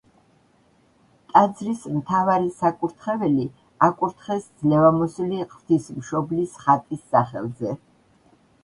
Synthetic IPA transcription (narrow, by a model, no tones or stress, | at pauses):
t̪ʼad̪zɾismt̪ʰavaɾisakʼuɾt̪ʰχɛvɛli | akʼuɾt̪ʰχɛsd̪zlɛvamɔsuliqʼvt̪ʰismʃɔblisχat̪ʼisːaχɛ̰lˠzɛ